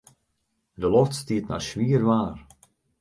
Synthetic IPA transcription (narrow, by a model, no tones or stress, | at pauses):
dəlɔftstiətna̰rsʋiərʋaːr